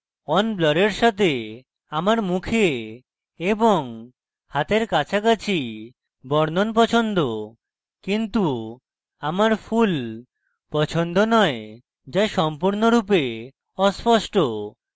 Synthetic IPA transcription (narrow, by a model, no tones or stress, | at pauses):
ɔnblɔɾeɾʃat̪e | amaɾmukʰe | eboŋ | hat̪eɾkat͡ɕʰakat͡ɕʰi | bɔɾnonp̬ɔt͡ɕʰond̪o | kint̪u | amaɾpʰul | pɔt͡ɕʰond̪onɔe | d͡ʑajʃɔmpuɾnoɾup̬e | ɔspɔsʈo